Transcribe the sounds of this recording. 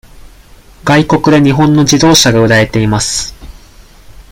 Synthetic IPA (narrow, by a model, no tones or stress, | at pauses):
ɡ̥aiko̞kɯ̟d̪e̞ɲ̟iɦõ̞nːo̞d͡ʑid̪o̞ːɕaɡaɯ̟ɾae̞t̪e̞imasɨ̥